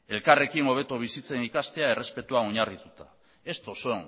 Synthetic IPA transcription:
e̞lkare̞kino̞β̞et̪oβ̞isit͡se̞nikast̪e̞ae̞re̞spe̞t̪uaoɲarit̪ut̪a | e̞st̪o̞soeŋ

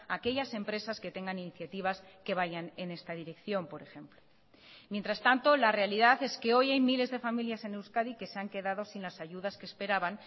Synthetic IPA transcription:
ake̞ʎase̞mpɾe̞sasket̪e̞ŋɡaniniθjat̪iβ̞as | ke̞β̞aʝane̞ne̞st̪aðiɾe̞kθjo̞mpo̞ɾe̞xe̞mplo | mjent̪ɾast̪ant̪o̞lare̞aliðaθe̞ske̞o̞jajmile̞zðe̞familjase̞newskaðike̞seaŋke̞ðaðo̞sinlasaʝuðaskespe̞ɾaβaŋ

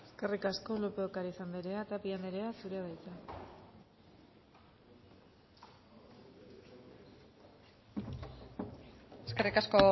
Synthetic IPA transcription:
e̥skerikasko̞lopeokaɾisand̪eɾeat̪apiand̪eɾeasuɾeaðajt͡s̪a | eskerikasko

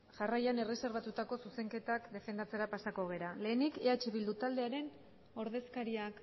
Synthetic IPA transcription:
ʝarajane̞re̞se̞ɾβat̪ut̪ako̞suse̞ŋke̞t̪akd̪e̞fe̞nd̪at͡se̞ɾapasako̞ɣ̞e̞ɾale̞ːnikeat͡ʃe̞βild̪ut̪ald̪e̞aɾe̞n | o̞ɾð̞e̞skaɾiak

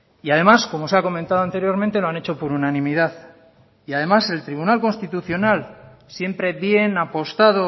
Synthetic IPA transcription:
iað̞e̞masko̞mo̞seako̞ment̪aðo̞ant̪e̞ɾjo̞ɾment̪e̞lo̞ane̞t͡ʃo̞poɾunanĩmiðaθ | iað̞e̞mase̞lt̪ɾiβ̞unalko̞nst̪it̪uθjo̞nalsje̞mpɾe̞βje̞napo̞st̪aðo

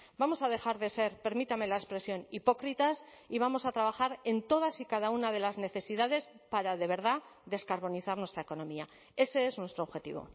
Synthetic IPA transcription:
bamo̞sað̞e̞xaɾðe̞se̞ɾpe̞ɾmit̪ame̞laespɾe̞sjo̞nipo̞kɾit̪asiβamo̞sat̪ɾaβ̞axaɾe̞nt̪o̞ð̞asikaðaunaðe̞lazne̞θe̞siðaðe̞spaɾaðe̞β̞e̞ɾð̞aðe̞skaɾβo̞niθaɾnwest̪ɾaeko̞no̞mia | e̞se̞e̞znwe̞st̪ɾoβxe̞t̪ḭβ̞o̞̰

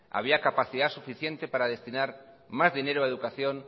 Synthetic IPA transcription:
a̰β̞iakapaθiðasufiθje̞nt̪e̞paɾaðe̞st̪inaɾ | mazðineɾoaeðukaθjõ̞n

